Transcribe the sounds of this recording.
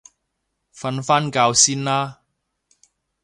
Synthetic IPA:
fɐ˧nfaː˥nkaː˧wsiː˥nlaː˥

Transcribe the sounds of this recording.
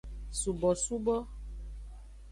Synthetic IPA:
su˨bɔ˨su˦bɔ˦

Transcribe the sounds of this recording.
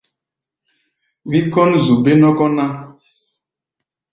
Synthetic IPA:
wi˦kɔ˦nzu˨be˦nɔ˦kɔ˦na˦

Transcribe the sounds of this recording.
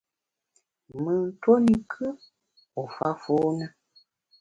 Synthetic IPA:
mɨ˦n̩˦to˦ni˨kʰə˦ | o˨fa˦fo˦nə˦

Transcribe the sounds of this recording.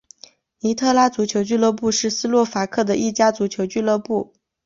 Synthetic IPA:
ni˧˥t̪ʰɤ˥˧la˥t͡su˧˥t͡ɕʰjo˧˥ʊt͡ɕy˥˧lɤ˥˧pu˥˧ʂɻ̩˥˩sɹ̩˥lwɔ˥˩fa˧˥kʰɤ˥˩d̪ə˩ʔi˥˩t͡ɕja˥t͡su˨˧˥t͡ɕʰjo˧˥ʊt͡ɕy˥˧lɤ˥˧pu˥˩

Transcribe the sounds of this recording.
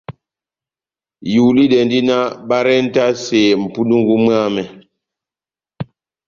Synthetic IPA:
ju˨li˦dɛ˨ndi˦na˦ba˦ɾɛ˦n̩˦ta˦seː˨m̩˨pu˦du˦ŋɡu˦mɰa˦˨mɛ˨

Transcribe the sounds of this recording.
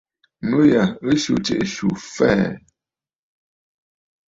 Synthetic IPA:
nu˦ja˨ə˦ʃu˨t͡ʃḛ˨ʔʃu˨fɛ˦˨

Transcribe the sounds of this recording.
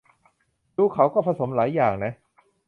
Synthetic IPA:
duː˧kʰa˨˩˦wkɔː˥˩pʰa˧so˩˦mlaː˩˦jːaː˨˩ŋna˦˥

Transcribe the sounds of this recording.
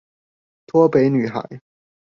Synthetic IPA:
t̪ʰwɔ˥pe˨˧˥ɪny˨˩xa̰˨˩˦ɪ

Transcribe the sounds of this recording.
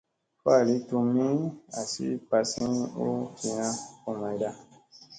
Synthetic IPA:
fa˦˨li˨˦tu˧mĩ˦a˨sḭ˦pa˧sĩ˦o˦kʰi˨jã˧ko˨mã˨i˨da˦

